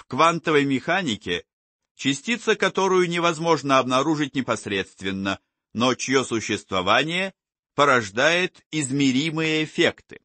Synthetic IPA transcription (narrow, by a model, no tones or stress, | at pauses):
fkvant̪əvəjmʲɪxanʲɪkʲɪ | t͡ɕɪsʲtʲit̪səkɐt̪o̞ɾʊjʊnʲɪvɐzmo̞ʐnəɐbnɐɾuʐɨt̚ʲnʲɪpɐsʲɾʲe̞t̪st̪vʲɪnːə | not͡ɕɪjosʊɕːɪst̪vɐvanʲɪjə | pəɾɐʐd̪ajɪt̪ɪzmʲɪɾʲimɨjəːfʲekt̪ɨ̥